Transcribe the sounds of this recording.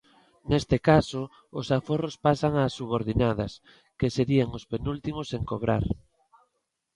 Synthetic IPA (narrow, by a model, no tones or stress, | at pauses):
nest̪ɪkaso | ʊsaforospasaŋaːsːuβ̞oɾðinað̞ɐs | keseɾiaŋospenult̪imoseŋkoβ̞ɾa̰ɾ